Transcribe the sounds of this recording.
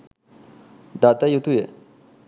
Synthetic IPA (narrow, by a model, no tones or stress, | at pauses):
d̪at̪ajut̪ʰujøʔ